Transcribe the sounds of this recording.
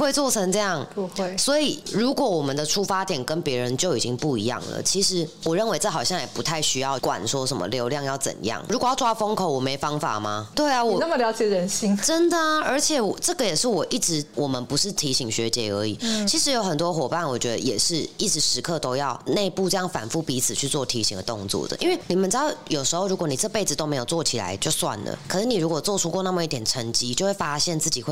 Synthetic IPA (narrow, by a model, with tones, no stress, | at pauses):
xwe˥˧ɪt͡swɔ˥˩ʈ͡ʂʰə˧ŋʈ͡ʂɤ˥˧jɑ˥˩ŋswɔ˧˥i˨˩ɻu˧˥kwɔ˧˩˦wɔ˨˩mə˨nd̪ə˨ʈ͡ʂʰu˥fa˥t̪jɛ˨˩nkə˦npjɛ˧˥ɻə˧˦nt͡ɕjo˥˩ʊi˨˩t͡ɕi˦ŋpu˥˩ḭ˧˥jɑ̰˥˩ŋlə̰˩t͡ɕʰi˧˥ʂɻ̩˧˥wɔ˨˩ɻə˥˩nwe˧˥ɪʈ͡ʂɤ˥˩xɑ˨˩ʊɕjɑ˥˨ŋjɛ˨˩pu˧˦t̪ʰa˥˩ɪɕy˥jɑ˥˩ʊkwa̰˨˩nswɔ˦ʂə˨˦nmə̰˨ljo˧˥ʊljɑ˥˧ŋjɑ˥˩ʊt͡sə̰˨˩njɑ̰˥˩ŋɻu˧˥kwɔ˨˩jɑ˥ʊwa˥fə˥ŋkʰo˨˩ʊwɔ˨˩me˧˥ɪfɑ˥ŋfa̰˨˩ma̰˨˩t̪we˥˩ɪa˨wɔ˨˩nə˥˨mə˨ljɑ˧˥ʊt͡ɕjɛ˨˩ɻə˧˥nɕi˥nʈ͡ʂə˦˥nd̪ə˨ə˞˧˥t͡ɕʰjɛ˨˩wɔ˨˩ʈ͡ʂɤ˥˩ɡə˩jɛ˨˩ʂɻ̩˥˩wɔ˨˩ʔi˥˩ʈ͡ʂɻ̩˧˦wɔ˨˩mə˦npu˧˦ʂɻ̩˥˩t̪ʰi˧˥ɕi˨˩ŋɕɥɛ˧˥t͡ɕjɛ˧˥ə̰˞˧˥ḭ˨˩t͡ɕʰi˧˥ʂɻ̩˧˥jo˧˥ʊxə˨˩nt̪wɔ˥xwɔ˨˩pa˥˨nwɔ˨˩t͡ɕɥɛ˧˦˥d̪ə̰˧jɛ̰˨˩ʂɻ̩˥˩i˥˩ʈ͡ʂɻ̩˧˥ʂɻ̩˧˥kʰɤ˥˧t̪o˥ʊjɑ˥˧ʊne˥˧ɪpu˥˧ʈ͡ʂɤ˥˧jɑ˥˩ŋfa̰˨˩nfu˥˩pi˧˥t͡sʰɹ̩˨˩t͡ɕʰy˥˧t͡swɔ˥˩t̪ʰi˧˥ɕḭ˨˩ŋd̪ə˧˩t̪o̰˥˧ŋt͡swɔ̰˥˩d̪ə̰˩ʔḭ˧˥nwe˥˩ɪni˨˩mə˨˦nʈ͡ʂɻ̩˧˥d̪ɑ˥˩ʊjo˨˩ʊʂɻ̩˧˥xo˥˩ʊɻu˧˥kwni˨˩ʈ͡ʂɤ˥˧ə˧pe˥˩ɪd͡z̩˨˩t̪o˥ʊme˧˥ɪjo˨˩ʊt͡swɔ˥˨t͡ɕʰi˨˩la̰˧˦ɪt͡ɕjo˥˧ʊswa̰˥˨˩nlə̰˩kʰɤ˨˩ʂ̩˥˩ni˨˩ɻu˧˥kwɔ˨˩t͡swɔ˥˧ʈ͡ʂʰu˥kwɔ˥˧na˥˩mə˨˦i˥˩t̪jɛ˨˩nʈ͡ʂʰə˧˥ŋt͡ɕi˥t͡ɕjo˥˧xwe˥˩fa˥ɕjɛ˥˩nt͡sɹ̩˥˩t͡ɕi˨˩xwe˥